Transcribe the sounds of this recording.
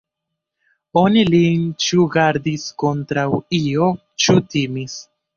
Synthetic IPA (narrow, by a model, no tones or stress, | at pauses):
o̞nilint͡ʃuɡaɾdisko̞ntɾawio̞ | t͡ʃutimis